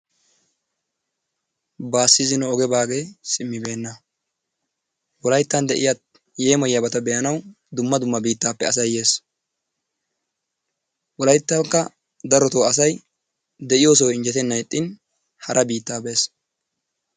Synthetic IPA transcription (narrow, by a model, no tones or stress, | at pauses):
baːsːɪzɪnɔːɡɛbaːɡe̞ːsɪmːɪbe̞ːnːɐ | wɔlɐjt̪ːɐnd̪ɛʔɪ̰jat̪̚ | je̞ːmɔjːɐbɐt̪ɐbɛjɐnɐw | d̪ʊmːɐd̪ʊmːɐbiːt̪ːaːpːɛɐsɐjːe̞ːs | wɔlɐjt̪ːɐŋkːɐ | d̪ɐɾɔt̪oːɐs̬ɐj | d̪ɛʔɪjoːs̬ɔwɪnd͡ʒɛt̪ɛnːɐjt̪ʼːɪn | hɐɾʔɐbiːt̪ːaːbe̞ːs